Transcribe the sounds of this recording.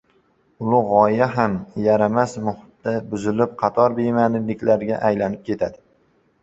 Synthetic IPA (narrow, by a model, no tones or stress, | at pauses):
ʊlˠʊʁɒjaɦamjaɾamasmʊhʊt̪̚d̪abʊzɪlɪp̚qʰɑt̪ʰɒɾbemanɪlɪkʲlaɾɡʲaʔajlanɪp̚kʲʰe̞t̪ʰad̪ɪ